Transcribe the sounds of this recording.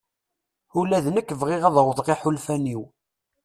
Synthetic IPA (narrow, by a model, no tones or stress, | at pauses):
ulæðnəkːvʁɪʁæðɾəðˤʁiħulfæniw